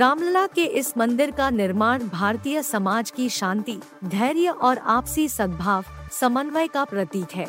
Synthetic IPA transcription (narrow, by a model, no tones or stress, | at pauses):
ɾaːmləlakeʔɪsmɐ̃nd̪ɪɾkanɪɾmaːɽ̃bʱaːɾt̪ijəsɐmaːd͡ʒkiʃãːnt̪i | d̪ʱɛːɾijəʔɔːɾaːpsisɐd̪̚bʱaːʋsɐmənʋəjkapɾɐt̪iːkɦɛː